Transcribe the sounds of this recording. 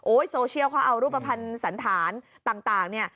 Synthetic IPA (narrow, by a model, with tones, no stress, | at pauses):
ʔoː˦˥jsoː˧t͡ɕʰi˥˩əwkʰa˦˥˩ʔa˧wɾuː˥˩p̚ːa˧pʰa˧nsa˩˦nt̪ʰaː˩˦n | t̪aː˨˩ŋt̪aː˨˩ŋni˥˩ɐ